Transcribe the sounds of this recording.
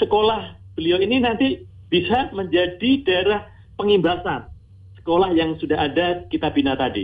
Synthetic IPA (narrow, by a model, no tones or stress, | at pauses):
səkolahb̥əlioininant̪i | b̥isaməɲd͡ʒadid̥aeɾah | pəŋimbasan | sə̥kolahjaŋsudaɦadakit̪abinat̪adḭ